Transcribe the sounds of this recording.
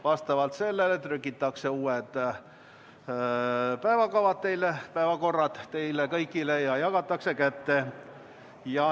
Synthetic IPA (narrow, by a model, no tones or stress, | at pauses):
vɑst̪ɑʋɑlt̪se̞lːelet̪rykːit̪ːˑɑkse̞uːed̪̥ | pæevɑkɑvɑt̪̚t̪ejlepæevɑko̞rːɑd̪t̪e̞jlekɤjkːˑilejɑjɑɡɑt̪ːˑɑkse̞kæt̪ːe | jɑ